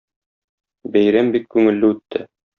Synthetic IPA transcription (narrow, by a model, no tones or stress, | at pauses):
bæjɾæmbikːʉŋɘ̆lːɘʉt̪ʰːɘ